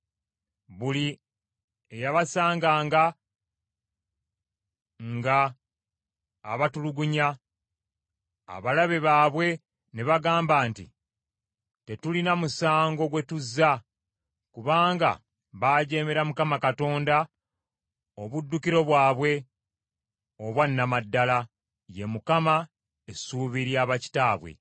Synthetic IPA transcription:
βuli | ejaβasaːŋɡaːŋɡa | ŋɡa | βatuluɡuɲa | a̰βalaβe̞βaːβwe̞ | neβaɡaːmbaːntḭ | te̞tulinamusaːŋɡo̞ɡwe̞tuzːa | kuβaːŋɡa̰ | βaːɟe̞ːmeɾamukamakato̞ːnda | o̞βudːukiɾo̞βwaːβwe̞ | oβwanːamadːala | je̞mukama | esuːβiɾjaːβaci̥taːβwe̞̰

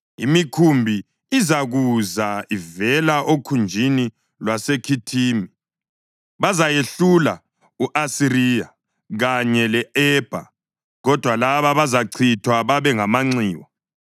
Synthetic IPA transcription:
ḭmikʰumbʱi | izaɣuzaivɛlaʔokʰund͡ʒʱini | lwasekʰitʰiːmi | βazajeɬula̰ | uʔasiɾija | ɣaɲɛlɛɛb̥ʱa̰ | ɣɔd̥ʱwalaβaβazaǀʰitʰwaβaβɛŋamaŋ͡ǀiːwɔ

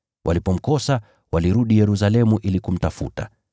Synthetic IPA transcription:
wʔa̰lipɔm̩kɔsa | waliɾuɗijɛɾus̬alɛmuʔilikum̩tafuta̰

